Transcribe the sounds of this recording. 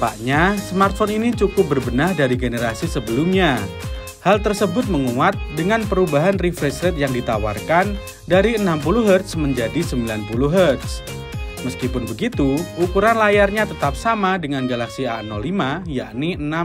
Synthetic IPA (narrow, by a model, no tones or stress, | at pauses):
pa̰ʔɲasmart̪̚fɔninit͡ʃukʊp̚bərbənahdaɾiɡenəɾasisəbəlʊmɲa | halt̪ərsəbʊt̪̚məŋuwat̪̚dəŋanpəɾubaɦanrifɾɛsɾɛt̪̚jaŋdit̪awa̰rkan | daɾiənampuluɦərt̪sməɲd͡ʒadisəmbilanpuluɦərt̪s | məskipʊnbəɡit̪uukuɾanlajarɲat̪ət̪ap̚samadəŋanɡalaksianɔlimaja̰ʔniəna